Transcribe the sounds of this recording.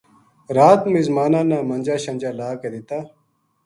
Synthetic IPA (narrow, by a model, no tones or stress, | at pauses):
ɾaːt̪mizmaːnãːnãːmɐnd͡ʒaːɕɐnd͡ʑaːlaːked̪it̪aː